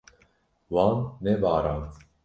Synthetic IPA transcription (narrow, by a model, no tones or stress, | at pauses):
wɑːnːɛbaːɾɑːn